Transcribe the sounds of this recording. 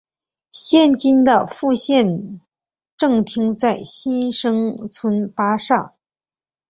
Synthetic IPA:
ɕjɛ˥˩nt͡ɕi˥nd̪ə˨fu˥˧ɕjɛ˥˧n | ʈ͡ʂɤ˥˩ŋt̪ʰi˥ŋt͡sa˥˩ɪɕi˥nʂɤ˥ŋt͡sʰə˥npa˥ʂa˥˩ŋ

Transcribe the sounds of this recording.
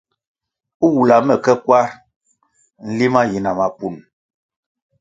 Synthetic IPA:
u˦wu˨la˨mɛ˨kɛ˦kwa˦ɾ | n̩˦li˦ma˦ji˨na˨ma˨pu˨n

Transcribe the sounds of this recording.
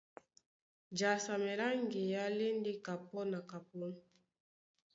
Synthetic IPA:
d͡ʒa˨sa˨me˨ɾa˦ŋɡe˨ja˦le˦nde˦ka˨pɔ˦na˨ka˨pɔ˦n˨

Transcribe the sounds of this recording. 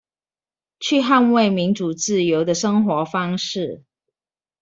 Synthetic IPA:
t͡ɕʰy˥˧ɦa˥˧nwe˥˨ɪmi˨˥nʈ͡ʂu˨˩t͡sɹ̩˥˩jo˨˥ʊd̪ə˨ʂə˥ŋxwɔ˨˧˥fɑ˥ŋʂɻ̩˥˨

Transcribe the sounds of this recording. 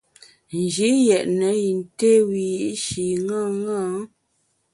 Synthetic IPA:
n̩˨d͡ʒi˨˦jɛ˨ʔnə˨˦ji˨n˨te˦wi˨ji˦ʔʃi˨ŋa˦ŋa˦

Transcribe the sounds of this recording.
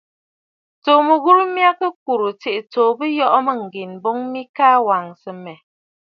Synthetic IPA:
t͡so˨mə˨ɣu˦ɾu˦mja˦kə˦k̚u˨ɾu˨t͡si˨ʔt͡so˨bə˦jɔ˦ʔmə˦ŋ̩˨ɡi˨nbo˦ŋmi˦kaː˦wa˨ŋsə˨mɛ˨

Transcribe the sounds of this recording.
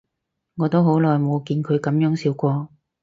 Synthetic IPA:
ŋɔː˨˧t̪o˥wɦo˨˥wlɔː˨˩jmo˨˧wkiː˧nkʰɵ˨˧ɥkɐ˨˥mjœː˨˥ŋsiː˧wkʷɔː˧

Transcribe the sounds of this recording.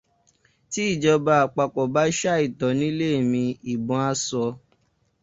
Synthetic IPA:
ti˨˦i˦˨d͡ʒɔ˧ba˧a˨k͡pa˨k͡pɔ˨ba˦ʃa˦i˦˨tɔ˨nĩ˦le˦e˨mĩ˧i˨bɔ̃˨˧˦a˧sɔ˧

